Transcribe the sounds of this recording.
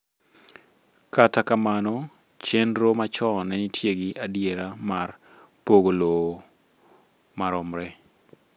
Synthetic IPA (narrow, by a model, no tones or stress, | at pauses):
katakamanɔ | t͡ʃenɾomat͡ʃɔnɛnitʰjeɡɪʔadjeɾamar | poɡolo | maɾɔmɾɛ